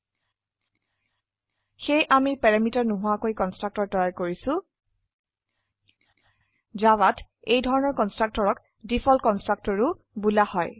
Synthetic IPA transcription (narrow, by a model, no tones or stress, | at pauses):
xejʔamipɛɹamitaɹnʊɦuakojkɔnstɹak̚tɔɹtɔjaɹkoɹisʊ̃ | zawat | ejdʱɔɹɔnɔɹkɔnstɹak̚tɔɹɔk | dipʰɔlkɔnstɹak̚tɔɹʊ | bulahɔj